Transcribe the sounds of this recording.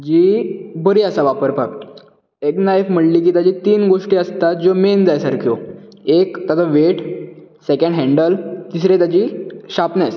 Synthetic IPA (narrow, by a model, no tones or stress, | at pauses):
d͡ʑiːbəɾiːəsaʋapəɾpakʈ | eknajfm̤əɽliːk̬iːt̪jad͡ʑiːt̪iːnɡoʂʈiːəst̪at̪̚d͡ʑomend͡zajsaɾkʰjoekt̪at͡saʋeʈsekə̃ɳɖɦɛ̃ɳɖəlt̪isɾet̪jad͡ʑiːɕapnes